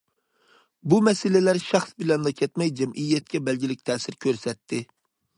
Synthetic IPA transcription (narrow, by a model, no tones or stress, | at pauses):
bumɛsɪlɪlæɾʃɑχsbɪlɛnd̪ɑkʲʰɛt̪mɛjd͡ʒɛmʔijːɛt̪̚kʲʰɛbɛlɡʲilɪk̚ʲt̪ʰɛːsɪɾkʲʰøɾsɛt̪ʰːɪ